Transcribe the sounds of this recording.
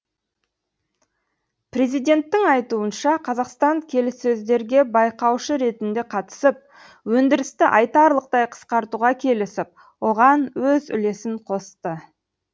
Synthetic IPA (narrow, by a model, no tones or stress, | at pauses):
pre̞zijd̪ʲe̞nt̪ːɪŋɑjt̪uənʃɑqʰɑzɑqst̪ɑŋkʲʰe̞lɪsːɵzd̪e̞ɾɡʲe̞bɑjqɑwʃəɾe̞t̪ɪnd̪e̞qʰɑt̪ə̥səp̚ | wɵnd̪ɪɾɪst̪ɪʔɑjt̪ɑɾlˠəq̚t̪ɑjqʰə̥sqɑɾt̪uʁɑkʲʰe̞lɪsɪp̚ | wo̞ʁɑnwɵzʏ̰le̞sɪɴqʰo̞st̪ə